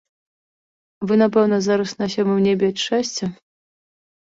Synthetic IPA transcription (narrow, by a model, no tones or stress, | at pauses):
vɨnap̬ɛwnɐzaɾɐsnasʲɔmɨwnʲɛbʲɛat͡ʂɛsʲt͡sʲɛ